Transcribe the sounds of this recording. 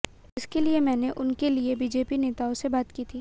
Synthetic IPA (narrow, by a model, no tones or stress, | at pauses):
ɪskeliemɛ̃ːneʔʊnkeliebiːd͡ʒeːpineːt̪aːõsebaːt̪kiːt̪ʰiː